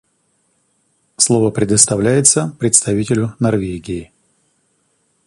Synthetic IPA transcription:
slˠovəpɾʲɪd̪əst̪ɐvlʲæjɪt̪səpɾʲɪt̪st̪ɐvʲitʲɪlʲʊnɐrvʲeɡʲɪː

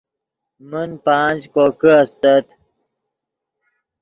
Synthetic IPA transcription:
mənpaːnd͡ʑkoːkəɐst̪ɐt̪

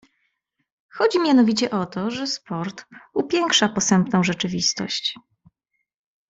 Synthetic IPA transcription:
xɔd͡ʑimʲjanɔvʲit͡ɕɛʔɔt̪ɔʐɛspɔɾt̪upʲjɛŋkʂapɔsɛmpnɔ̃w̃ʐɛt͡ʂɘvʲist̪ɔ̰ɕt͡ɕ

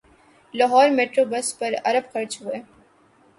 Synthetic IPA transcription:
lɐɦɔːɾmeːʈɾoːbɐspɐɾɐ̰ɾəbxɐɾt͡ʃɦʊeː

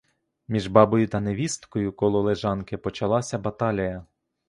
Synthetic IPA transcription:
mʲiʒbɑbɔjʊt̪ɐneʋʲist̪kɔjʊkɔlˠɔlˠeʒɑnkɪpɔt͡ʃɐlˠɑsʲɐbɐt̪ɑlʲijɐ

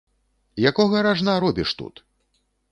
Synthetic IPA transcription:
jakɔɣɐɾaʐnaɾɔbʲiʂt̪ṵt̪

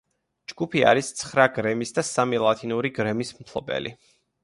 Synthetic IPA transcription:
d͡ʒɡupʰia̰ɾist̪sʰχɾaɡɾɛmisd̪asamilˠat̪ʰinuɾiɡɾɛmismt̪ʰlˠɔbɛ̰lḭ

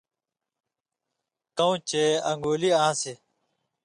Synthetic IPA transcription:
kɐ̃ũt͡ɕeːɐ̰ŋɡoːliaãse

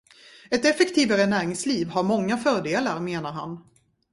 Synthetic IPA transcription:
ɛt̪ɛfɛkt̪ʰiːvaɾənæːɾɪŋsliːvhaɾmɔŋːafœːɖeːlaɾmeːnaɾɦa̰n

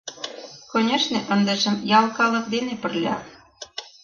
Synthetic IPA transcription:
konʲeʃnĕʔə̆nd̪ĕʃə̆mjɑlkɑlɤ̆k̚d̪enepə̆rlʲɑ̰

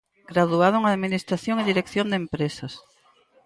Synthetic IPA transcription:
ɡ̥ɾaðuaðʊŋaðminist̪ɾaθjoŋeðiɾekθjond̪empɾesɐs

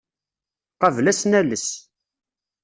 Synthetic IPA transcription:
qɑvlæsnæləs

